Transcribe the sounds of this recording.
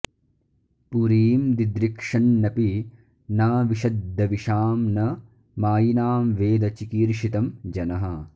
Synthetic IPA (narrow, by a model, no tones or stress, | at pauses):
puɾiːmd̪id̪ɾikʂɐnːɐpi | naːʋiʃɐd̪ːɐʋiʃaːmnɐ | maːjinaːmʋeːd̪ɐt͡ʃikiːɾʃit̪ɐmd͡ʒɐnɐɦɐ